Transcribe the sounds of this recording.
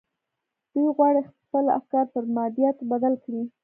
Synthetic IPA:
d̪̥ujɣwɑɽexsəla̰fkɑɾp̪əɾmɑd̪ijat̪bad̪alkɽi

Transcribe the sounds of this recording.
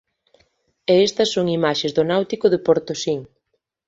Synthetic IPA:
eest̪ɐsːoŋimaʃezðʊnawt̪ikʊðɪpoɾt̪osiŋ

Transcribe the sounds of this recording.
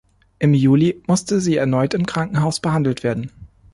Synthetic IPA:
ʔɪmjuːlimʊstəziːɛɐnɔʏtɪmkʁ̥aŋkŋ̩ɦaʊsb̥əhandl̩tv̥eːɐdn̩

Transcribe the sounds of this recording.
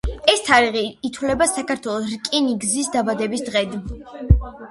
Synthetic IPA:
ɛst̪ʰaɾiʁiːt̪ʰwlɛbasakʰaɾt̪ʰwɛlˠɔsɾkʼɛniɡzisd̪abad̪ɛbisd̪ʁɛd̪

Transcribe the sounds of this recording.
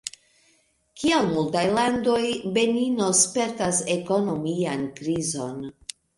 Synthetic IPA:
kialmultajlando̞jbe̞nino̞spe̞ɾtase̞ko̞no̞miankɾizo̞n

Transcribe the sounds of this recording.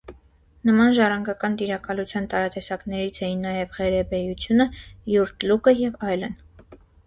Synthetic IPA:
nəmɑnʒɑrɑŋɡɑkɑnt̪iɾɑkɑlut͡sʰjɑnt̪ɑɾɑt̪ɛsɑknɛɾit͡sʰɛjinːɑjɛvʁɛɾɛbɛjut͡sʰjunəjuɾt̪lukəjɛvɑjlən

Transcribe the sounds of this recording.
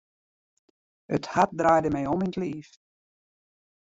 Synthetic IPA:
əthat̚draːjdəmɛjɔmintliːf

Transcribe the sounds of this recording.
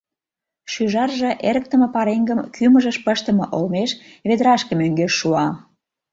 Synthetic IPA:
ʃyʒɑrʒɤ̆ʔeɾə̆k̚t̪ə̆mə̆pɑɾeŋɡəmkʰyməʒə̆ʃpəʃt̪ə̆mɤ̰̆ʔolmeʃ | βed̪əɾɑʃkə̆møŋɡeʃːuɑ

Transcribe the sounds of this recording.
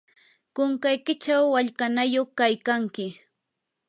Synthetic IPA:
kʊŋkajkɪt͡ʃawːaʎkanajoχkajkaŋkɪ

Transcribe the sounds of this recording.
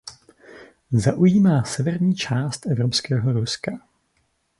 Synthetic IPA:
zaʔujiːmaːsɛvɛɾɲiːt͡ʃaːst̪ʔɛvɾopskɛːɦoɾuska

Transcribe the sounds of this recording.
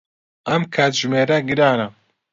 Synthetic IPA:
ɐmkʰaːt̪ʒmeːɾɐɡɨɾaːnɐ

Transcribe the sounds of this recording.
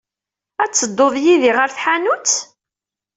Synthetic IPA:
æt͡sːəd̪ːoðˤjiðiʁəɾθħanut͡sː

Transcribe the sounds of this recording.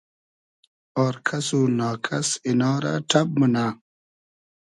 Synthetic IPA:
oːɾkʰɐsunaːkʰɐsinaːɾa̰ʈʰɐb̚munaː

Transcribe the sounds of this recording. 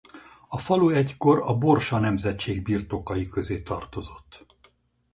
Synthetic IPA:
ɒfɒluɛcko̞ɾɒbo̞rʃɒnɛmzɛt͡ʃeːɡbirt̪o̞kɒjikø̞zeːt̪ɒrt̪o̞zo̞t̪ː

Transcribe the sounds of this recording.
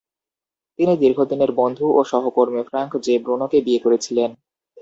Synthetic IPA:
t̪inid̪iɾɡʱod̪ineɾbond̪ʱuʔoʃɔɦokoɾmifɾaŋkd͡ʑebɾonokebiekoɾet͡ɕʰilen

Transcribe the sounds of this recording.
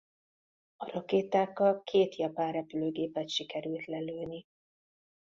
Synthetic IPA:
ɒrɒkeːt̪aːkːɒlkʰeːt̪jɒpaːrrɛpyløːɡeːpɛt̪ʃikɛɾylt̪lɛløːni

